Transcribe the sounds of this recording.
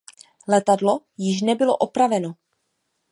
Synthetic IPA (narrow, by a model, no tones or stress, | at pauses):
lɛt̪adlo̞ | jɪʃnɛbɪlo̰ʔopɾavɛno